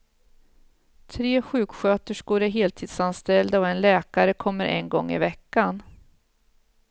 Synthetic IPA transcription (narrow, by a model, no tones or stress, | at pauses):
t̪ʰɾeːɧʉ̟ːkɧøːt̪əʂɡ̥oːɾæɾɦeːlt̪ʰiːd̪sanst̪ɛld̪ɔɛnlɛːkaɾəkʰɔmːəɾʔɛ̰nɡɔŋːɪ̰vɛkːan